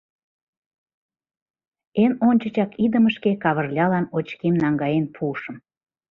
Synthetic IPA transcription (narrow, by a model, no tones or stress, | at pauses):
enonʲt͡ɕət͡ɕɑkid̪əməʃkekɑβə̆rlʲɑlɑnot͡ɕkemnɑŋɡɑjenpʰuʃəm